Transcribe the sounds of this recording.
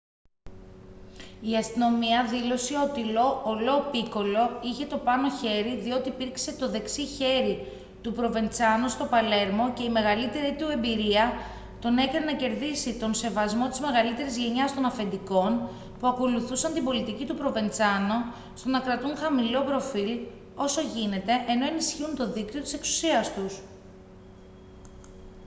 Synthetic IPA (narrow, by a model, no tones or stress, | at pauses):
iɐst̪ino̞miɐðilo̞siot̪ilo̞ːlo̞piko̞lo̞içe̞t̪o̞pɐno̞çe̞ɾiðio̞t̪iːpiɾkse̞t̪o̞ðe̞ksiçe̞ɾi | t̪upɾo̞ve̞nt͡sɐnost̪o̞pɐle̞ɾmo̞ce̞ime̞ɣɐlit̪e̞ɾiit̪ue̞mbiɾiɐ | t̪o̞ne̞kɐnenɐce̞ɾðisit̪o̞nse̞vɐzmo̞t̪izme̞ɣɐlit̪e̞ɾizʝe̞ɲɐst̪o̞nɐfe̞nd̪iko̞n | puɐko̞luθusɐnt̪imbo̞lit̪icit̪upɾo̞ve̞nt͡sɐno̞ | st̪o̞nɐkɾɐt̪unxɐmilo̞pɾo̞fil | o̞so̞ʝine̞t̪e̞ʔeno̞e̞nisçiunt̪o̞ðikt̪io̞t̪ise̞ksu̥siɐst̪us